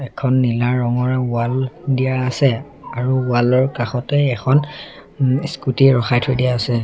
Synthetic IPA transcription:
ɛkʰɔnːilaɹːɔŋɔɹaualdijaːsɛ | aɹuualɔɹkaxɔtɛɛkʰɔn | skutiɹɔxajtʰɔjdijaasɛ

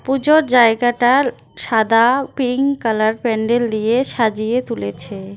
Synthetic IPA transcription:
pud͡ʑoɾd͡ʑaeɡaʈa | ʃad̪apiŋkalaɾpɛɳɖeld̪ijeʃad͡ʑijet̪ulet͡ɕʰe

